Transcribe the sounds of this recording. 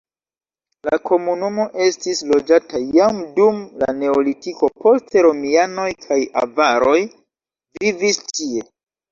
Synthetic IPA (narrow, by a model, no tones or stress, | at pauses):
lako̞munumo̞ʔe̞stislo̞d͡ʒatʰajamdumla̰ne̞olitiko̞po̞ste̞ɾo̞miano̞jkʰaja̰vaɾo̞j | vivistie̞